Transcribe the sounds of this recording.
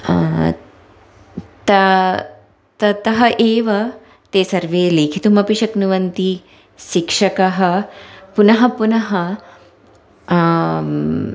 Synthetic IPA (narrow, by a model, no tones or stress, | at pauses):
t̪ɐ | t̪ɐt̪ɐɦɐʔeːʋɐ | t̪eːsɐɾʋeːleːkʰit̪umɐpiʃɐknuʋɐnt̪i | ʃikʂɐkɐɦɐpunɐɦɐpunɐɦɐ